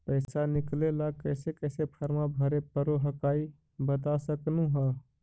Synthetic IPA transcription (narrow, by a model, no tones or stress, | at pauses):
pəɪsanɪklelakəsekəːsepʰəɾmãbʱəɾepəɾoɦəkaːi | bət̪asəknũɦa